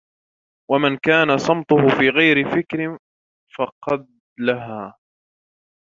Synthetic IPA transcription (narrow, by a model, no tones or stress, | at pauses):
wamankaːnasˤɑmt̪ˤʊhʊfiːɣajɾɪfɪkɾɪ | fɑqɑd̪̚ | laɦaː